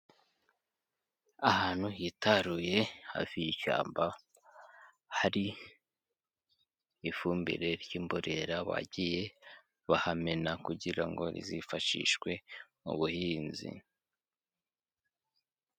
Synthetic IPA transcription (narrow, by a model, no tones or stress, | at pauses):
ahaːn̥hujitaɾuje̞ha̰viiʃa̰ːmba | haɾi | fuːmbḭɾe̞ɾjiːmboɾe̞ɾaβa̰ɟije̞ | βahamenakuɟiɾaŋɡo̞̰ɾḭzifaʃḭʃkwe̞ | ṵβuhiːnzḭ